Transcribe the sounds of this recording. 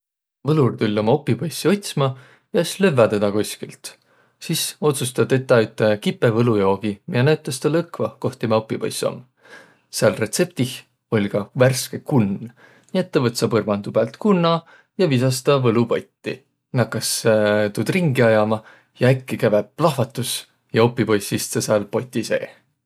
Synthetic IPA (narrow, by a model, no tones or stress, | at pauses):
vɤlult̪ulʲːo̞mɑo̞pːˑipɑjsːio̞t̪ʲsmɑ | jɑesløvɑd̪ed̪ɑkosʲkilt̪ | siso̞t̪sust̪ɑt̪e̞t̪ːˑɑyt̪ˑːekipːevɤlujo̞ːɡ̥imiɑnæɥt̪ˑːɑst̪ɑlɤkvɑko̞ht̪ːimɑo̞pːˑipo̰jso̰m | seɑlre̞t̪se̞p̚t̪ix | o̞lʲkɑværskekun | niet̪ːɑvɤt̪sɑpɤrmɑnd̪ub̥ælt̪kunːɑ | jɑvisɑst̪ɑvɤlupo̞jt̪ʲːi | nɑkːˑɑst̪ud̪̥riŋɡiɑjɑmɑ | jɑækːikævep̚lɑhvɑt̪ːˑus | jɑo̞pːˑipo̞jsist̪sɑsɑlpo̞jt̪ʲːˑise̞ː